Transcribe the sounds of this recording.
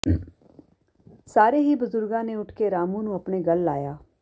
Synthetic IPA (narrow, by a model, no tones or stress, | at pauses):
saːɾeːɦiːbʊzʊɾɡãːneːʊʈʰkeːɾaːmũːnũːəpɳeːɡəlːaːjaː